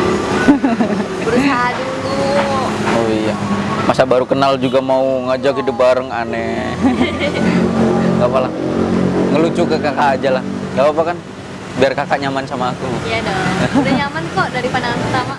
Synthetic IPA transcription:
bəɾuaɦadulu | oijamasabaɾukənald͡ʒuɡamauŋad͡ʒakɦidʊp̚baɾəŋanɛ | kapalah | ŋəlut͡ʃukəkakaːd͡ʒalahkawapakan | biarkakaʔɲamansamaːkujadadaɲamant̪oʔdaɾipanaanət̪ama

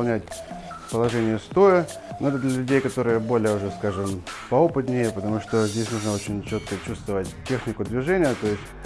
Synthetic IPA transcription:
lˠnʲætʲ | pəlˠɐʐɛnʲɪjəst̪o̞jə | noɛt̪əd̪lʲəlʲʉdʲejkɐt̪o̞ɾɨjəbo̞lʲɪjəʊʐɛskaʐɨmpɐo̞pɨt̪nʲɪjəpət̪ɐmuʂt̪o̞zʲdʲesʲnuʐnəo̞t͡ɕɪnʲt͡ɕo̞t̪̚kət͡ɕust̪vəvətʲtʲːe̞xnʲɪkʊd̪vʲɪʐɛnʲɪjət̪o̞jɪsʲtʲ

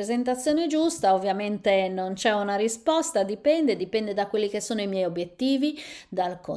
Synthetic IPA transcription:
ɾezent̪at̪sːjɔːned͡ʒust̪aovːjament̪enont͡ʃɛunaɾispɔst̪ad̪ipɛnd̪ed̪ipɛnd̪ed̪akːwelːikesːɔːnoimjɛjobjet̪ːiːvid̪alko

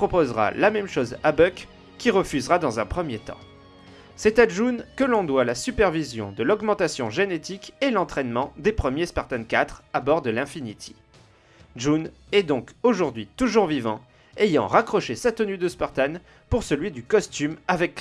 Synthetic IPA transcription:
pχɔpozʁa̰lamɛmʃozabœkʲː | iʁəfyzʁad̪ɑ̃zɛ̃pχəmjet̪ɑ̰̃ | sɛt̪aʒunkəlɔ̃d̪walasypɛʁvizjɔ̰̃d̪əlɔɡmɑ̃t̪asjɔ̃ʒenet̪ikelɑ̃t̪χɛnmɑ̃d̪epχəmjespaʁt̪ankat̪χabɔʁd̪əlɛ̃finit̪ʰi̥ | ʒunɛd̪ɔ̃koʒuʁd̪ɥit̪uʒuʁvivɑ̃ | ejɑ̃ʁakχɔʃesat̪ənyd̪əspaʁt̪an | puʁsəlɥid̪ykɔst̪ymavɛk

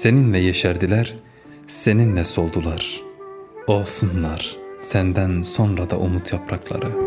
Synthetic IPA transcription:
se̞ninlɛjeʃæɾd̪ilæɾ | se̞ninlɛso̞lˠd̪ulˠɑɾ̥ | o̞lˠsunlˠɑɾ̥sænd̪ænso̞nɾad̪ɑ̰ʔumut̪ʰjɑpʰɾɑklˠɑ̰ɾɯ

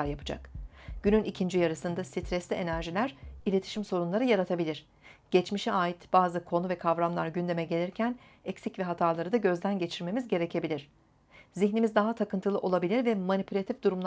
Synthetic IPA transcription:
aɾjapʰɯ̥d͡ʒa̰kɟ̥ynynicʰind͡ʒijaɾɯsɯnd̪asit̪ʰɾɛslʲie̞næɾʒilʲæɾ̥ilʲe̞t̪ʰi̥ʃimso̞ɾunlˠaɾɯjaɾat̪ʰabilʲiɾ̥ | ɟ̥ɛt͡ʃmiʃiaːjit̪b̥aːzɯkʰo̞nuvɛkʰavɾamlˠaɾɟynd̪e̞mɛɟe̞lʲiɾcʰæn | ɛcsicvɛɦat̪ʰaːlˠaɾɯd̪aɟø̞zd̪ænɟe̞t͡ʃʰiɾme̞mizɟe̞ɾe̞cʰe̞bilʲiɾ̝̥ | ziçnimizd̪aɦat̪ʰakɯnt̪ʰɯlˠɯʔo̞lˠabilʲiɾvɛmanipʰylʲat̪ʰifd̪uɾumlˠ

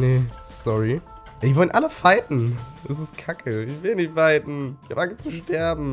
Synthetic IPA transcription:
ne | sɔʁi | jadivɔlənʔaləfaɪtn̩ɛs̬ɪstkʰakʰəɪçvɪlnɪçtfaɪtn̩çaːpʔaŋstt͡suʃtɛɐbm̩

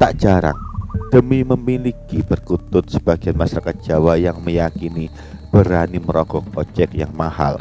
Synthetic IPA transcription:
t̪aʔd͡ʒaɾa̰ŋd̥əmiməmilikibərkut̪ʊt̪̚səb̥aɡianmaʃaɾakat̪̚d̥d͡ʒ̥awajaŋməjakini | b̥əɾaniməɾɔɡ̥ɔŋɔt͡ʃɛkjaŋmaha̰l

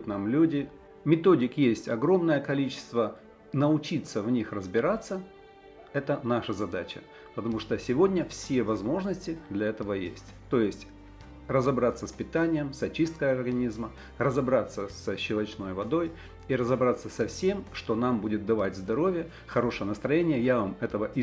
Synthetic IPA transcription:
t̪namlʲudʲɪ | mʲɪt̪o̞dʲɪkjesʲtʲɐɡɾo̞mnəjəkɐlʲit͡ɕɪ̥st̪və | nəʊt͡ɕit̪səvnʲixrəzbʲɪɾat̪sːə | ɛt̪ənaʂəzɐd̪at͡ɕə | pət̪ɐmuʂt̪osʲɪvo̞dʲnʲəfsʲevɐzmo̞ʐnəsʲtʲɪd̪lʲɐɛt̪əvəjḛsʲtʲt̪o̞jɪsʲtʲ | rəzɐbɾat̪səspʲɪt̪anʲɪjəmsɐt͡ɕist̪̚kəjɐrɡɐnʲizmə | rəzɐbɾat̪sːəsəɕːɪlˠɐt͡ɕno̞jvɐd̪o̞j | iɾəzɐbɾat̪sːəsɐfsʲe̞mʂt̪o̞nambudʲɪt̪̚d̪ɐvatʲzd̪ɐɾo̞vʲɪjə | xɐɾo̞ʂəjənəst̪ɾɐjenʲɪjəjavamɛt̪əvəʔɪ

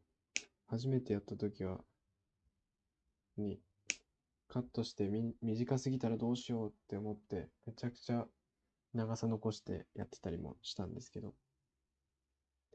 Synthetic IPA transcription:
haʑime̞t̪e̞jat̪ːat̪o̞kʲiβ̞a | ɲ̟i | kʰat̪ːo̞ɕi̥t̪e̞mʲiʑikasɨɡʲit̪aɾad̪o̞ːɕijo̞ːt̪ːe̞o̞mo̞t̪ːe̞me̞t͡ɕakɯ̟̥t͡ɕa | naɡasano̞ko̞ɕi̥t̪e̞̰ja̰t̪ːe̥t̪aɾʲimo̞̰ɕi̥t̪ãnd̪e̞sɨ̥ke̞d̪o̞

